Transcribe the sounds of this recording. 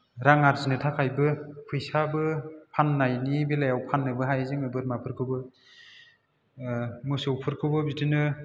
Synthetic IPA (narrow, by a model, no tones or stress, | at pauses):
ɾaŋaɾzinɯtʰakʰajbɯpʰɯjsabɯpʰanːajnibilajawpʰanːɯbɯɦajzɯŋɯbɯɾmapʰɯɾkʰɯbɯ | mɯsɯwpʰɯɾkʰɯbɯbitʰinɯ